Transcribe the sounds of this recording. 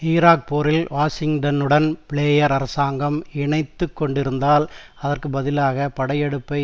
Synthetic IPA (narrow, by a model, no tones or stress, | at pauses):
iːɾaːk̚poːɾɪlʋaːsɪŋʈɐnɯɽɐnpɪɭeːjɐɾɐɾɐsaːŋɡɐmɪɳɐɪt̪ːɯkːɔɳɖɪɾɯnd̪aːlɐðɐrkɯbɐðɪlaːɣɐpɐɽɐjɛɽɯpːɐɪ